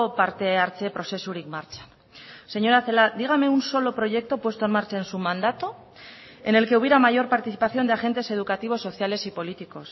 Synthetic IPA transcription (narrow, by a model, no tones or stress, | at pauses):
paɾt̪eaɾt͡ʃepɾo̞se̞suɾikmaɾt͡ʃḁn | se̞ɲo̞ɾaθe̞lad̪iɣ̞ame̞unso̞lo̞pɾo̞ʝe̞k̚t̪o̞pwe̞st̪onmaɾt͡ʃaensumãnd̪at̪o̞ | e̞ne̞lke̞uβjeɾamaʝo̞ɾpaɾt̪iθipaθjo̞nd̪eaxe̞nt̪e̞se̞ð̞ukat̪iβ̞o̞sːo̞θjale̞sipo̞lit̪iko̞s